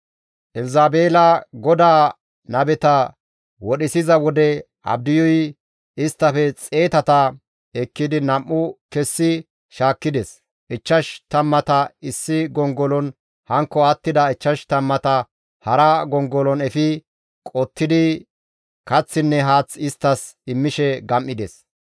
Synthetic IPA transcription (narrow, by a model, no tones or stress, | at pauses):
ʔɛlzaːbeːlɐɡɔd̪aː | nɐbɛt̪ɐ | wɔɗɪsɪzɐwɔd̪ɛ | ɐ̰b̚d̪ɪjɔj | ɪst̪ːɐfɛt͡sʼe̞ːt̪ɐt̪ɐ | ɛkːɪd̪ɪnɐmːʊkɛsːɪ | ʃaːkːɪd̪ɛs | ʔɪt͡ʃːɐʃt̪ɐmːɐt̪ɐɪsːɪɡɔŋɡɔlɔn | hɐŋkːɔɐt̪ːɪd̪ɐɪt͡ʃːɐʃt̪ɐmːɐt̪ɐ | hɐɾɐɡɔŋɡɔlɔnɛfɪ | kʼɔt̪ːɪd̪ɪ | kɐt͡sːɪnːɛɦaːt͡sːɪst̪ːɐsɪmːɪʃɛɡɐmʔːɪd̪ɛs